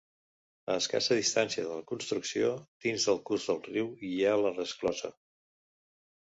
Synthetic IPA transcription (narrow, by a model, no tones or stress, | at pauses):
əːska̰səðist̪ansiəðələkunst̪ɾuksiod̪̥inzðəlˠkuzðəlˠriwialərəsklɔzə̰